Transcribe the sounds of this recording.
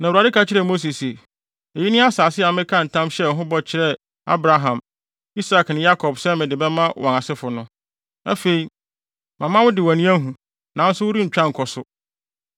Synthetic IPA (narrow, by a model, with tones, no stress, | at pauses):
nã˨a˨dɪ˦kʰa˦t͡ɕʰɪ˦ɾɛ˨mo˦s̬i˨se˨ | e˨ji˦nɪ̃˦a˦saː˨sɪ˦a˨mɪ̃˦kʰã˦˨n̩˨tʰã˦mɕɛ˦˨ɦʊ̃˦bɔ˦t͡ɕʰɪ˦ɾɛ˦ | a̰˦bɾa˨ɦã˨m | i˦sa˨knɪ̃˨ja˦kʰɔ˨bsɛ̃˦mɪ̃˨dɪ˨bɛ˦mã˦wʔɔ̃˨na˨sɪ˦fʊ˨nʊ̃˦ | æ̰˦fe˨i˨ | mã˨mã˦wʊ˦dɪ˨wã˨nĩ˦æ˦ɦũ˨ | nã˨n̩˦sʊ˦wʊ˦ɾi˦ɲ̩˨t͡ɕᶣã˦ŋ̩˨kʰɔ˨sʊ˨